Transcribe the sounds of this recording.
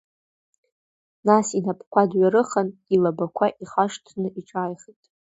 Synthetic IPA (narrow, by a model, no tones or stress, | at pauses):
nasinapʰkʷʰadɥaɾɨχanilabakʷʰaʔiχaʂtʰnɨʔiʈ͡ʂʷʼaːjχitʼ